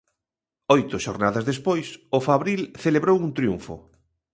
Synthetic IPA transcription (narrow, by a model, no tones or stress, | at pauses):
ojt̪ʊʃoɾnaðɐzðespojsʊfaβɾilθeleβɾowunt̪ɾjṵɱfʊ̰